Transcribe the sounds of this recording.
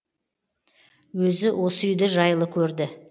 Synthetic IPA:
wɵzɪwʔo̞səʏjd̪ɪʒɑjlˠəkʲʰɵɾd̪ɪ

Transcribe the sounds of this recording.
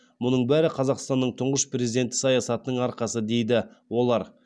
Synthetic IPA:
mʊnəɴbæɾɪqʰɑzɑqst̪ɑnːəɴt̪ʰʊɴʁəʃpre̞zid̪e̞nt̪ːɪ̥sɑjɑsɑt̪ənəɴɑɾqɑsəd̪e̞jd̪ɪwo̞lˠɑɾ

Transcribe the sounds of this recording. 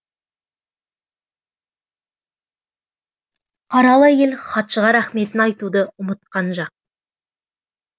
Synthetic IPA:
qʰɑɾɑlˠəje̞lχɑt̪ʃəʁɑɾæχme̞t̪ɪnɑjt̪ud̪əʊmət̪̚qɑnʒɑq̚

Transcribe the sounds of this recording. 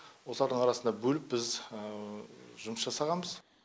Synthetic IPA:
wo̞lˠɑɾd̪əɴɑɾɑsənd̪ɑbɵlɪp̚bɪz | ʒʊməsʒ̥ɑsɑʁɑnbəz̥

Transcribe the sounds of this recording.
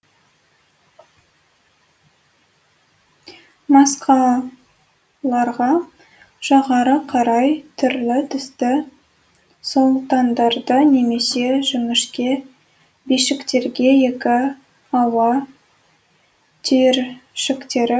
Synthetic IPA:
mɑsqʰɑ | lˠɑɾʁɑ | ʒ̥ɑʁɑɾəqʰɑɾɑjt̪ʰʏɾlɪt̪ʰʏst̪ɪ | solˠt̪ɑnd̪ɑɾd̪əne̞me̞se̞ʒɪmɪʃkʲe̞ | bijʃɪkt̪e̞ɾɡʲe̞je̞kʲɪ | ɑwɑ | t̪ʰeɾʃɪkt̪e̞ɾɪ

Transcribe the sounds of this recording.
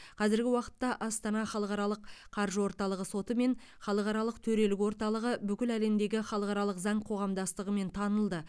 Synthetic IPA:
qʰɑzɪɾɡʲɪwɑqə̥t̪ːɑʔɑst̪ɑnɑχɑlˠəqɑɾɑlˠəqʰɑɾʒəwo̞ɾt̪ɑlˠəʁəso̞t̪əme̞n | χɑlˠəqɑɾɑlˠəqt̪ʰɵɾe̞lɪkwo̞ɾt̪ɑlˠəʁəbʏkʲɪlæle̞md̪e̞ɡʲɪχɑlˠəqɑɾɑlˠəqzɑɴqʰo̞ʁɑmd̪ɑst̪əʁəme̞nt̪ʰɑnəlˠd̪ə

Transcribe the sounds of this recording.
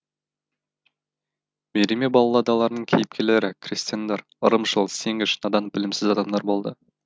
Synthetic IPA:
meɾʲemebɑlˠɑlˠɑd̪ɑlˠɑɾnəɴkʲʰejɪp̚kʲʰele̞ɾɪkʲʰrist̪ijand̪ɑɾ | əɾəmʒəlˠseŋɪʃənɑd̪ɑnbɪlɪmsɪzɑd̪ɑmd̪ɑɾbo̞lˠd̪ə

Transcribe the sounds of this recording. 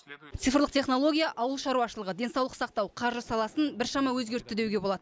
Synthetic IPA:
t̪sɨjfrlˠəq̚t̪ʰʲeχno̞lˠo̞ɡʲijaʔɑwəlˠʃɑɾuwɑʃəlˠəʁəd̪e̞nsɑwlˠəqsɑq̚t̪ɑwqʰɑɾʒəsɑlˠɑsənbɪɾʃɑmɑwɵzɡʲe̞ɾt̪ːɪd̪ewɡʲe̞bo̞lˠɑd̪əə

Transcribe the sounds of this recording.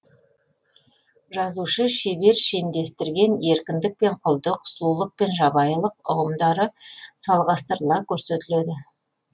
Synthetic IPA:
ʒɑzuʃəʃe̞be̞ɾʃe̞md̪e̞st̪ɪɾɡʲe̞ne̞ɾkʲɪnd̪ɪk̚pe̞ɴqʰʊlˠd̪əqʰʊ̥slˠulˠəq̚pe̞nʒɑbɑjəlˠəqʊ̰ʁəmd̪ɑɾəsɑlˠʁɑst̪əɾəlˠɑkʲʰɵɾset̪ɪled̪ɪ

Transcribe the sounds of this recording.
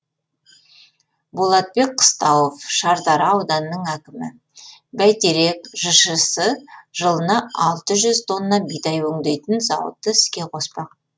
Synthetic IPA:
bolˠɑt̪̚be̞k̚qʰə̥st̪ɑwofʃɑɾd̪ɑɾɑɑwd̪ɑnəːəɴækʲɪmɪ | bæjt̪eɾe̞kʒ̥əʃəsəʒəlˠənɑɑlˠt̪əʒʏzt̪ʰo̞nːɑbijt̪ɑjwɵŋd̪e̞jt̪ɪnzɑ̰wə̰t̪ːəɪ̥skʲe̞qʰo̞spɑq̚

